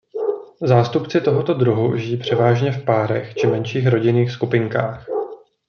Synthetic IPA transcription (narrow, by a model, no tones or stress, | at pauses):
zaːst̪upt͡sɪt̪o̞ɦot̪o̞d̪ɾuɦṵʒɪjiːpr̝̥ɛvaːʒɲɛfpaːɾɛ̰xt͡ʃɪmɛnʃiːxɾo̞ɟɪniːxskupɪŋkaːx